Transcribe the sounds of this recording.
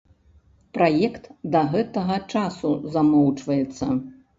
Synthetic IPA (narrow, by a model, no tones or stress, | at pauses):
pɾʔajɛkt̪d̪ɐɣɛt̪ɐɣɐt͡ʂasuzamɔwt͡ʂvɐjɛt̪sːɐ